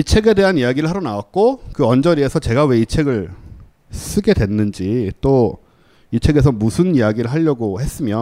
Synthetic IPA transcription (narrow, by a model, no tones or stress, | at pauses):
it͡ɕʰe̞ɡe̞de̞ɦanijaɡiɾɯɭhaɾʌnawak̚k͈okɯʌnd͡ʑʌɾie̞sʰʌt͡ɕe̞ɡawe̞it͡ɕʰe̞ɡɯɭ | s͈ɯɡe̞dwe̞nːɯnd͡ʑit͈o | it͡ɕʰe̞ɡe̞s̬ʰʌmusʰɯnijaɡiɾɯɭɦaʎːʌɡohe̞s͈ɯmjʌ